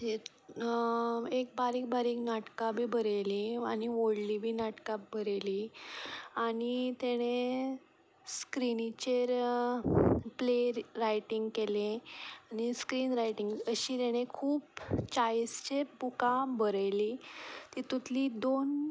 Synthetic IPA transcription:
eɾ | ek̚baɾiːk̚baɾiːknaʈkabʱiːbəɾəliaɽ̃iʋoɽlibʱiːnaʈkabʱəɾəli | aɽ̃it̪eɽ̃e | skɾinit͡ɕeɾ | pleɾajʈiŋɡkeleañiskɾiːnɾajʈiŋɡəɕiːt̪ɛɽ̃ekʰuːpt͡ɕaist͡ɕebukãbəɾəjlit̪iːt̪ut̪lid̪on

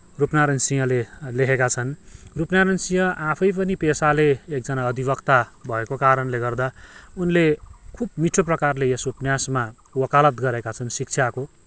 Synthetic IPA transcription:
rupnaɾʌnsijʌ̃leleɦʰekat͡sʰʌnrupnaɾʌnsijʌʔapʰʌjp̬ʌnipesaleːk̚d͡zʌnaʌd̪ʱibʌkt̪abʱʌekokaɾʌnleɡʌrd̪aunlekʰubmiʈʰoprʌkarlejʌsupnjasma | wʌkalʌt̪ɡʌɾekat͡sʰʌnsik̚t͡sʰjako

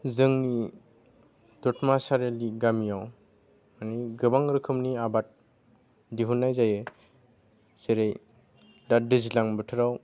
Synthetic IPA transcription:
zɯŋni | dɔtmasaɾeliɡamijaw | maniɡɯbaŋɾɯkʰɯmniabat̚ | diɦunːajzajɯ | seɾej | dadɯzilaŋbɯtʰɯɾaw

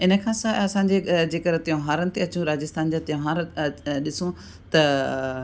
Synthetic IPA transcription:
ɪnə̆kʰãːsaːɐsãːɲ̆d͡ʑed͡ʑeːkəɾt̪ijõɦaːɾənɪ̆t̪eɐt͡ɕũɾaːd͡ʑɪst̪aːnd͡ʑat̪ijãɦaːɾɗɪsũ | t̪ɐ

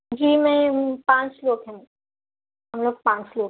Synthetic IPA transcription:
d͡ʒiːmɛ̃pãːt͡ʃloːkɦɛ̃ | ɦɐmloːɡ̚pãːt͡ʃloːk

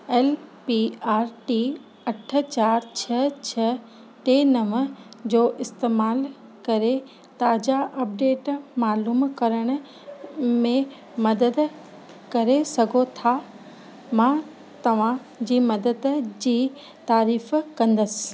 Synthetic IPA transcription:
ɛːlpiaːɾʈi | ɐʈʰə̆t͡ɕaːɾt͡ɕʰɐt͡ɕʰɐ | t̪eːnɐʋəd͡ʑoːʔɪst̪eːmaːl | kɐɾe | t̪aːd͡ʑaʔɐp̚ɖeːʈmaːluːmkɐɾəɽ̃ʊ̆ | mẽ | mɐd̪əd̪ | kɐɾesɐɡʱot̪ʰa | mã | t̪ɐʋ̤ã | d͡ʑiːmɐd̪əd̪d͡ʑiː | t̪aːɾiːfkɐ̃nd̪əsɪ̥̆

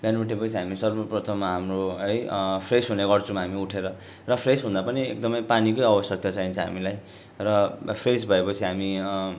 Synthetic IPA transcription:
banuʈʰepʌt͡sʰiɦamisʌrbʌprʌt̪ʰʌmːaɦamroɦʌjpʰresɦuneɡʌrt͡sʰʌ̃maɦamiuʈʰeɾʌ | rʌpʰresɦũnd̪apʌniḛk̚d̪ʌmʌjpanikʌjʌbʌsjʌk̚t̪at͡saɦint͡sʰʌ̃ɦa̰milaj | rʌpʰresbʱʌepʌt͡sʰiɦami

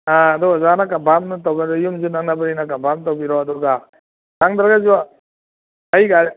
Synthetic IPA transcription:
aːdɔɡazanakabʱamnɯtawbaɾɔjumzunaŋnabaɾinakabʱamtawbiɾɔːdɔɡa | taŋdaɾaɡaziwa | ajɡa

